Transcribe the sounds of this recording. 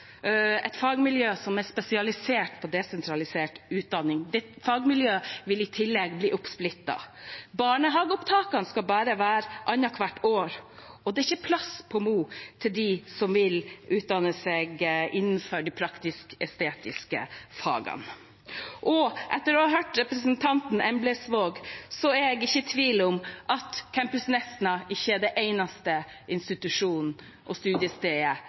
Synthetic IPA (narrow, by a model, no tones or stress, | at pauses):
ɛ̰t̪fɑːɡmɪljøːsɔmɛspɛsɪɑlɪseːʈpʰɔd̪ɛsɛnt̪ʰɾɑlɪseːʈʉːt̪̚d̪ɑnːɪŋd̪ɛfɑːɡmɪljøːʋɪlɪt̪ʰɪlːɛɡbliːʔʊpsplɪt̪ːɑ̰bɑːɳəɦɑːɡʊpt̪ʰɑːkɑnskɑlbɑːɾəʋæːɾʔɑnːɑkʰʋɑʈːoːɾɔd̪ɛɾɪçːəpʰlɑspʰɔmuːt̪ʰɪld̪ɪsɔmʋɪlʉːt̪̚d̪ɑnːəsɛɡʔɪnːnfœɖipʰɾɑkt̪ɪskɛst̪eːt̪ɪskə̰fɑ̰ːɡɑ̰n | ʔɔʔɛt̪ːəɾɔːhɑɦøːʈɾɛpɾəsənt̪ʰɑnt̪n̩ɛmbləsʋoːɡsɔɛɡɪçːət̪ʰʋiːlʊmʔɑt̪kʰæmpʉsnɛsnɑɪçːəɛɖɛʔeɪnɑst̪ə | ɪnst̪ɪt̪ʉʂuːnn̩ | ʔɔst̪ʉːd̪ɪəst̪eːə